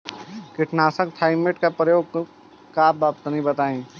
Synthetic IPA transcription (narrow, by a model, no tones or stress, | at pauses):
kɪʈnaːsəkt̪ʰaːɪmeʈkapɾəjoːɡ̚ | kaːbaːp̚t̪ənĩbɐt̪aːẽː